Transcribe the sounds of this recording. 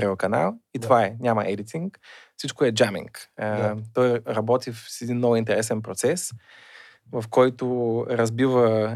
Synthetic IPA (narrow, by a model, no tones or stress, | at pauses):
ɾɛokɐna̰lˠit̪vaɛnʲamɐʔɛd̪it̪iŋkfsit͡ʃkʊɛd͡ʒamḭŋk | t̪ɔjɾɐbɔt̪ifsɛd̪inːɔɡʊint̪ɛɾɛsɛnpɾot̪sɛs | vɐfkɔjt̪ʊɾɐzbivə